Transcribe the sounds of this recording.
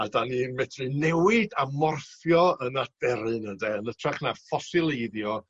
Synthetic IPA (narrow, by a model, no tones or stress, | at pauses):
adanimɛtʰrɨnɛwɪdamɔrθjɔənad̥ɛɾɨnəndɛənətʰrɛχnafɔsɪlˠeðjɔ